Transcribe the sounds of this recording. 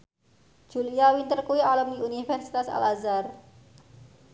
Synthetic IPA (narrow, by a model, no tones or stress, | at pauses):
ʒ̥uliawint̪ərkuwialəmniunifɛrsit̪asa̰lazar